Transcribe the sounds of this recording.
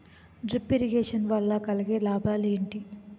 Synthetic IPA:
ɖɾipːiɾiɡeːʂɐnʋɐlːɐkɐlɐɡeːlaːbʱaːleːɳʈi

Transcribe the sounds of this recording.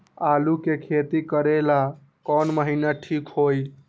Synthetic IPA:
alukekʰet̪ikəɾela | kɔnməɦinaʈʰikɦoj

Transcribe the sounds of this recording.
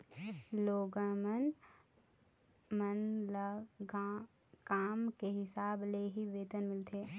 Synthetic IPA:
loːɡəmən | mənlə | kaːmkeɦɪsaːbleɦiʋeːt̪ənmɪlt̪ʰeː

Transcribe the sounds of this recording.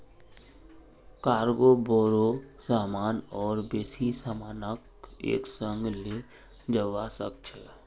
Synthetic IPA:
kaːɾɡoːbɔːɾosaːmaːnɔːɾbeːsisaːmaːnək | ḛːksə̃ŋɡle | d͡ʒəʋasək̚t͡ʃʰɛ

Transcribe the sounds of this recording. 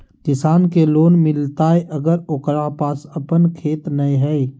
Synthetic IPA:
kɪsaːnkeloːnmɪlt̪aːeʔəɡəɾokɾapaːsəpənkʰeːt̪nəĩɦɛi

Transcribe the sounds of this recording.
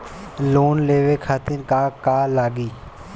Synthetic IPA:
loːnleːʋeːkʰaːt̪ɪnkaːkaːlaːɡiː

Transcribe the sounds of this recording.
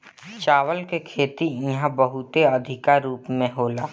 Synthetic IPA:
t͡ʃaːʋəlkekʰeːt̪iiɦãbəɦʊt̪eɐd̪ʱɪkaɾuːpmẽɦoːlaː

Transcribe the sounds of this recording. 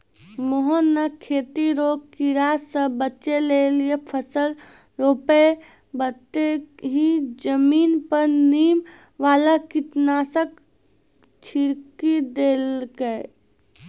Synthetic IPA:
moɦonəkʰeːt̪iɾoːkiɾaːsəbətːʃeleliepʰəsəl | ɾoːpe | bət̪eɦid͡ʒəmiːnpəɾniːm | ʋaːlakɪt̪naːsək̚ | t͡ʃʰiɾkid̪eːlɡəe

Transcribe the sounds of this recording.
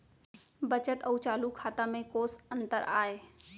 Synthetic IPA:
bət͡ʃət̪əut͡ʃaːlukʰaːt̪amẽkoːsənt̪əɾaːe

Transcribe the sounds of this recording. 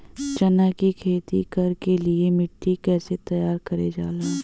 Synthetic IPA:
t͡ʃɐnakikʰeːt̪ikɐɾkeliemɪʈʰːikɛːset̪ɐjaːɾkɐɾed͡ʒaːlaː

